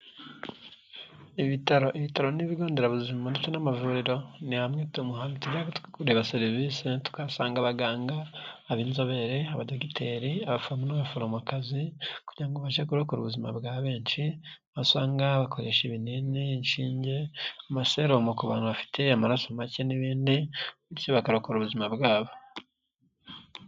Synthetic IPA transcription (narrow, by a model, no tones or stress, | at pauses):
iβitaɾo̞ʔiβitaɾo̞niβiɡo̞ːndeɾaβuzimanet͡ʃonamavuːɾiɾo̞nihamŋetumuɦaːnitiɟakkuɾeβaseɾivisetu̥kasaːŋɡaβaɡaːŋɡaːβiːnzo̞βe̞ɾeaβadokitʰeɾiaβafuɾamunaβafuɾomukazikuɟiɾaŋɡoβaʃakuɾokoɾṵβuzima̰bɡaːβe̞ːɲʃiaβasaːŋɡaβakʰoɾeʃeβinininʃiːɲɟeamaseɾomokoβaːnhuβafi̥tʰe̞amaɾasomaceniβiːndiuɾcoβakaɾokoɾuβuzimabɡaːβo